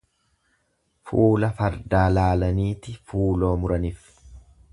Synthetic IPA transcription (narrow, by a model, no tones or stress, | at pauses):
fuːlɐfɐɾd̪aːlaːlɐniːt̪ɪfuːlo̞ːmʊɾɐnɪf